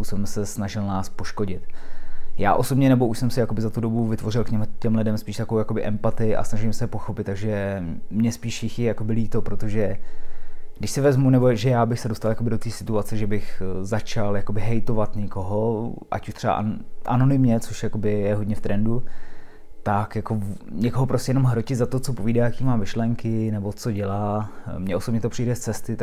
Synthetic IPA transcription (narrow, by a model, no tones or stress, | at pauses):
usobɛmsɛsnaʒɪlnaːspo̞ʃkoɟɪt̪ja̰ːʔo̞sobɲɛnɛbo̞ʔuʃsɛmsɛjako̞bɪzat̪udo̞buvɪt̪vo̞r̝ɪlkɲɛmcɛmlɪdɛmspiːʃt̪akoowjako̞bɪʔɛmpat̪ɪʔa̰snaʒɪmsɛɛpo̞xo̞pɪt̪t̪ːaɡʒɛmɲɛspiːʃjɪxjɛjako̞bɪliːt̪o̞pɾo̞t̪o̞ʒɛ | ɡdɪʃsɪvɛzmunɛbo̞ʒɛjaːbɪxsɛdo̞st̪aljakobɪdo̞t̪iːsɪt̪uat͡sɛʒɛbɪxzat͡ʃaljakobɪɦɛjt̪o̞vat̪ɲɛko̞ɦoʔa̰cu̥ʃt̪r̝̥ɛba̰ʔʔa̰no̞nɪmɲɛt͡soʃjako̞bɪjɛɦo̞dɲɛft̪ɾʔɛndu | t̪akjako̞ɲɛkoɦopɾoscʲɛjɛno̞mɦɾocɪzat̪o̞t͡so̞poviːdaːjakiːmaːmɪʃlɛŋkɪnɛbo̞t͡so̞ɟɛlaːmɲɛʔo̞so̞bɲɛt̪o̞pr̝̥ijdɛst͡sɛst̪ɪ